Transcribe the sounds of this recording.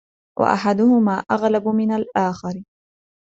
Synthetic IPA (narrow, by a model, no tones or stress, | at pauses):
wʔa̰ʔa̰ħad̪ʊhʊmaːʔaɣlabʊmɪnalʔaːxɑɾɪ